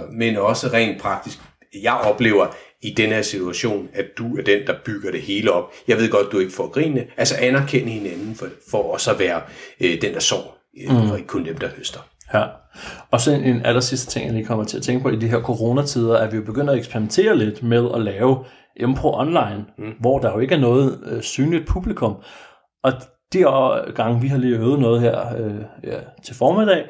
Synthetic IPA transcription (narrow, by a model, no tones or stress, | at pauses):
menɒ̽səʁɛ̰ːn̥̚pʰʁɑ̈ɡ̥̚d̥isɡ̥ | jɑ̈ɪʔɒ̽b̥le̝ːʊɐ | id̥enheɐsit͡sʰuæɕo̝̰ːnæd̥uæɐd̥end̥ɑ̈b̥yɡ̥ɐɾ̥e̝he̝ːləɒ̽b̥jɑ̈ɪʋe̝ð̞̰ˠɡɒ̽d̥̚d̥ue̝ɡ̥əfɒ̰ɡ̥ʁḭːnːəʔælsɐʔænæɐkʰen̰əhe̝nænn̩fɒfɒɒsɒ̽ʋæːɐd̥end̥ɑ̈sɒ̰ː | ɒeɡ̥ə̥kʰɔ̽nd̥emd̥ɑhøsd̥ɐjæɒ̽sɒ̽nenælɐsisd̥ə̥t͡sʰe̝ŋ̰jɑliːkʰɒ̽m̰ɐt͡sʰe̝æt͡sʰeŋɡ̥əpʰɒ̽id̥iɦeɐkʰo̝ʁo̝ːnæt͡sʰið̞ˠɐæɐʋijo̝b̥e̝ɡ̥øn̰d̥æeɡ̥sb̥eɐʁiment͡sʰe̝̰ːɐle̝d̥með̞ˠɒlɛːʊ | ʔempʰʁoʔɒ̽nlɑ̈ɪnʋɒd̥ɑ̈jo̝e̝ɡ̥æɐnɔ̽ːð̞̩ˠsyːnlid̥̚pʰub̥likʰɔ̽m | ʔɒ̽ | d̥iɡ̥ɑ̈ŋʋiɦɑ̈liːøːʊð̩ˠnɔ̽ːð̞̩ˠɦeɐ̰øæt͡sʰe̝lfɒːmeð̥ˠɛ̰ː